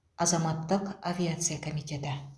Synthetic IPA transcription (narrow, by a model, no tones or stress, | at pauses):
ɑzɑmɑt̪ːəqavʲiat̪sɨjakomit̪ʲe̞t̪ɪ